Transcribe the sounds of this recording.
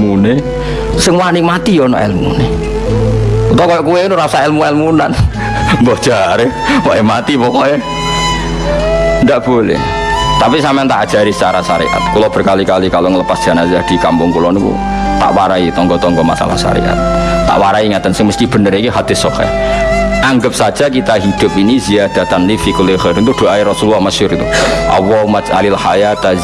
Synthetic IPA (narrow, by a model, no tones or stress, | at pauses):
mune | sɪŋwanɪŋmat̪ijɔnɔ̰ʔɛ̰lmṵne | ut̪ɔkɔjɔʔkuwenuɾasaɛlmuɛlmunan | mbɔhd̥ʒ̥aɾewɔʔemat̪ipɔkɔe | ndaʔb̥olɛ̰h | t̪apisampaant̪aʔad̥ʒ̥a̤ɾisə̥t͡ʃaɾasa̰ɾḭʔa̰t̪̚kulɔb̥ə̤rkalikalikaloŋələpasdʒ̥anaiad̥i̤kampʊŋkulɔnikṵ | t̪a̰ʔwaɾait̪ɔŋɡɔt̪ɔŋɡɔma̰sa̰la̰hʃa̰ɾḭʔa̰t̪̚ːa̰ʔwaɾaiiŋat̪ansəŋməst̪ib̥ə̤nəɾikiɦad̪̥ɪ̤sɔka̰ | ʔaŋɡəp̚sḁd͡ʒ̥ak̬it̪aɦid̪̥ʊ̤piniziad̪̥at̪anlifikuleχɛɾɪnt̪ud̥oʔaiɾɔsuluaməsʊɾit̪uʔa̰wɔmat͡ʃa̰lilahajat̪a